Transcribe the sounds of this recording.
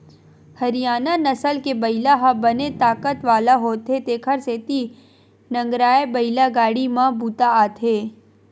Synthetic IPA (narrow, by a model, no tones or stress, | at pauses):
hɐɾijaːnanɐsəlkebɐɪlaɦãbɐnet̪aːkət̪ʋaːlaɦoːt̪ɦet̪eːkʰəɾseːt̪i | nɐ̃ŋɡɾaːebɐɪlaɡaːɽimãbʱuːt̪aaːt̪ʰɦeː